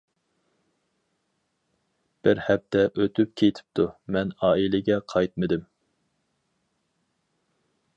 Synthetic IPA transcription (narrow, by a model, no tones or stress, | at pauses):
b̥ɪɾhɛp̚t̪ʰɛʔøt̪ʰyp̚kʲʰejt̪ʰɪ̥p̚t̪ʰumɛnɑːilɪɡʲɛqʰɑjt̪̚mɨd̪ɪm